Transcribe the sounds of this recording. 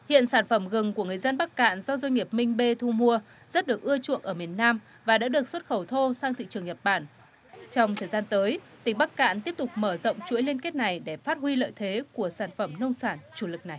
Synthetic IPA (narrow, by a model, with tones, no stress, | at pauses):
hḭ˧˨ənsaː˧˩nfə˧˩mɣɨ˨˩ŋku˧˩əŋɨ˨˩əjzə˧nɓa˦˥k̚ka̰ː˧˨nzɔ˧zwə˧jŋ̟ŋi˨˩əp̚mï˧ŋ̟ɓe˧t̪ʰu˧mu˧ə | zə˦˥t̚ɗɨ˨˩ək̚ʔɨ˧ət͡ɕṵ˧˨ənʔəː˧˩mi˨˩ənːaː˧m | vaː˨˩ɗa̰ː˧˥ɗɨ˨˩ək̚swə˦˥t̚xə˧˩wt̪ʰo˧saː˧ŋt̪ḭ˧˨t͡ɕɨ˨˩əŋɲə˨˩t̚ɓaː˧˩n | t͡ɕɔ˧wŋ͡mt̪ʰəː˨˩jzaː˧nt̪əː˨˦jt̪ï˨˩ŋ̟ɓa˦˥k̚ka̰ː˧˨nt̪i˦˥əp̚t̪ʊ˨˩k͡p̚məː˧˩zə̰˧˨wŋ͡mt͡ɕṵ˧˥əjli˧nke˦˥t̚na˨˩jɗe˧˩faː˦˥t̚hwi˧lə̰ː˧˨jt̪ʰe˨˦ku˧˩əsaː˧˩nfə˧˩mnə˧wŋ͡msaː˧˩nt͡ɕu˧˩lɨ˨˩k̚na˨˩j